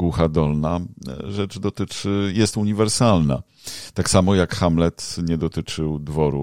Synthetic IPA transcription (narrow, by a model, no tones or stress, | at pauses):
ɡwuxad̪ɔlnaʐɛt͡ʂd̪ɔt̪ɘt͡ʂɘjɛst̪uɲivɛɾsalna̰ | t̪aksamɔjakxamlɛt̪ɲɛd̪ɔt̪ɘt͡ʂɘwd̪vɔɾṵ